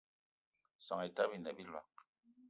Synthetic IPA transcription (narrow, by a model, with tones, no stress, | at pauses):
sa˨ŋe˨ta˦bi˨nɛ˨bi˦lwa̰˨